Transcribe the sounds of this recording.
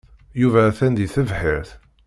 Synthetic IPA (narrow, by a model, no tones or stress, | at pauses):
juvæθænd̪iθəvħiɾθ